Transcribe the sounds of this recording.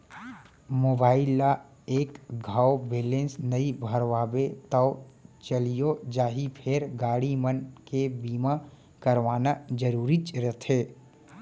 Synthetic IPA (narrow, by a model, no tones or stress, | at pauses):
moːbaːɪlːa | eːkɡʱaːobeːlẽːnsnəibʱəɾʋaːbet̪əʊt͡ʃəlijod͡ʒaːɦipʰeɾɡaːɽimənkebiːma | kəɾʋaːnad͡ʒəɾuːɾit͡ʃɾət̪ʰeː